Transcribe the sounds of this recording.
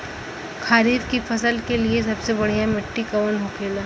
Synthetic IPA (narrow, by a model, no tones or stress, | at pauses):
kʰaːɾiːɾkifʰɐsəlkelies̬ɐbsebɐɽ̤ijamɪʈːikɐʋənɦokʰeːlaː